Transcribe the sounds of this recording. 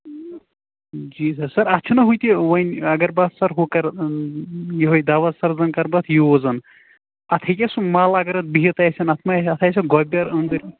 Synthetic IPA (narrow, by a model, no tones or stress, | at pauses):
d͡ʒiːsɐɾsɐɾɐt͡ʃʰunɐɦujt̪iʋɐjnɐɡɐɾbat̪ʰsɐɾɦokɐɾ | jiɦojd̪aːʋɐt̪sɐɾzɐnkɐɾbɐt̪ʰjozɐn | ɐt̪ʰɐkʲɐsumaːlɐɡɐɾɐt̪̚biɦit̪ɐsʰʲɐnɐt̪ʰmaɐt̪ʰasʲɐɡɔbʲɐɾɐnd̪ɐɾʲ